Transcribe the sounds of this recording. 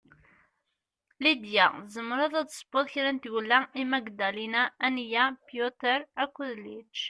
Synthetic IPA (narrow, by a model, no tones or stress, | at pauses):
lid̪jæzəmːəɾɑðæd̪sˤə̥bʊðˤçɾænt̪wəlːæimæɡd̪ælinæːnjæpjut̪əɾækʷːʊðlit͡ʃ